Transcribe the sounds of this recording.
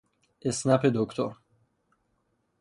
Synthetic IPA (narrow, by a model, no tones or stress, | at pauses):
esnaped̪okt̪ʰo̰ɾ